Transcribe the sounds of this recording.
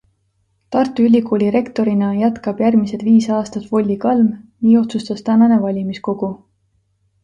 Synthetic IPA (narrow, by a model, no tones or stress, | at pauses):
t̪ɑrt̪ːˑuylʲikoːlʲiɾe̞kt̪o̞ɾinɑjæt̪kɑb̥jærmise̞d̪viːsɑːst̪ɑt̪vo̞lʲːikɑlmniːo̞t̪sust̪ɑst̪ænɑne̞vɑlʲimisko̞ɡ̥u